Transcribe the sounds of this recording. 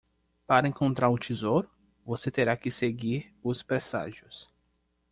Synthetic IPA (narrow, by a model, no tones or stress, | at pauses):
paɾɐẽkõnt̪ɾaɾʊt͡ʃizoɾʊ | voset̪eɾakɪseɡiɾ | ʊspɾesa̰ʒjʊs